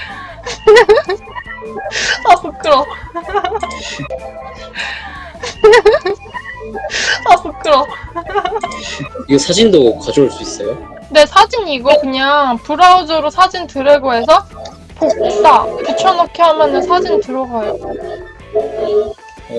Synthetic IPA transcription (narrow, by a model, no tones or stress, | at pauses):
asok͈ɯɾʌ | asok͈ɯɾʌ | iɡesʰad͡ʑindokad͡ʑooɭs͈uis͈ʌjo | ne̞sʰad͡ʑiniɡokɯɲaŋpuɾaud͡ʑoɾosʰad͡ʑintɯɾeɡoesʰʌ | pok̚t͈aput͡ɕʰʌnʌkʰeɦamjʌnɯnsʰad͡ʑintɯɾʌɡajo